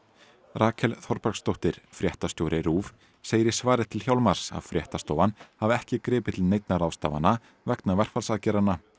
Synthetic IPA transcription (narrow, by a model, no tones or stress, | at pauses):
rʔaːkʰɛlθɔɾpaɾkst̪owht̪ɪɾ̥fɾjɛht̪ast̪jowɾɪɾuːv | seːjɪɾisvaːɾɪθt̪ʰɪlhçjawlmaɾ̥sa̰ðfɾjɛht̪ast̪oːwvanhavɛhcɪkɾɪːpɪt̪ʰɪlnejt̪naɾaːwst̪a̰ːva̰nːa | vɛknavɛr̥kfalsaðcɛːɾana